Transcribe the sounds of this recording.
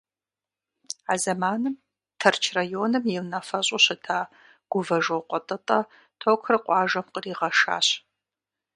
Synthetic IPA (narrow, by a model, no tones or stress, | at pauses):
azɐmaːnɨm | tʰɐrt͡ʃʰrajoːnɨmjɪlnɐfɐɕʼoɕɨtʰaː | ɡ̥ʷʊvɐʒoqʷʼɔtʼɐtʼɐ | tʰoːkʷʰrɨqʷʼɑːʒɐmqəriːʁɐʂa̰ːɕ